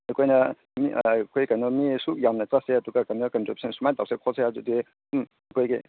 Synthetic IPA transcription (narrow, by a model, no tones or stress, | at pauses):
ɐkʰojnɐ | mikʰojkanomisuk̚jamnɐt͡saseɐduɡakanokɐntɾibusʰensumajtawsekʰoseadudi | um | ɐkʰojɡḭ